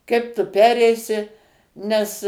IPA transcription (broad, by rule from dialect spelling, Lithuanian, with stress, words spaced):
ˈkɐɪp tʊ ˈpʲæːrʲɛɪsʲɪ nʲɛs